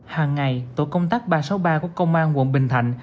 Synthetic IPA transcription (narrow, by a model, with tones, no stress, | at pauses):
haː˨˩ŋːa˨˩jt̪o̰˧˨jkə˧wŋ͡mt̪aː˦˥k̚ɓaː˧so˨˦wɓaː˧ku˧˩əkə˧wŋ͡mʔaː˧nw̰ənɓï˨˩ŋ̟t̪ʰa̰˧˨jŋ̟